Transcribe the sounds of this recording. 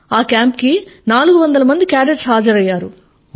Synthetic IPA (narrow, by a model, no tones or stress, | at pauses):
aːkjaːmpkinaːluɡuʋɐnd̪ɐlɐmɐnd̪ikaːɖeɖsɦaːd͡ʒɐɾɐjːaːɾu